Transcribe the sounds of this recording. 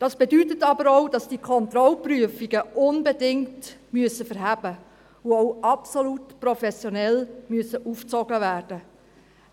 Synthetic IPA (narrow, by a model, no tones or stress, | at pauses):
d̥ɑsb̥edytətɑbəɾɔwdɑsd̥ikʰɔnt̪ɾɔlpryəfiɡəʔʊnbedɪŋtmyəsəfəɾɦæb̥ə | ʊɔʊɑpsolutprɔfɛsjɔnɛlmyəsəʔuft͡sɔɡəvæːrd̥ə